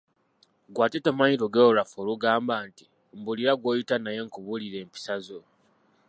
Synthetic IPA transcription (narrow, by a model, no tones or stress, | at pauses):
ɡwatetamaidoɡeɾafoːluɡaːmbaːnti̥ | mbuliɾaɡwoːjitanajeŋkuβuliɾe̞ːmpi̥sazo